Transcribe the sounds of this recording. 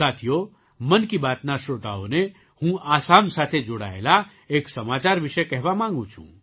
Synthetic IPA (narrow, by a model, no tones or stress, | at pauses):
saːt̪ʰijo | mənkibaːt̪naʃoːt̪a̰o̰ne | hũʔaːsaːmsaːt̪ʰed͡ʒoɽa̰ːela | eːksɐmaːt͡ʃaːɾʋɪʃɛkɛɦʋamãːŋɡũt͡ʃʰṵ̃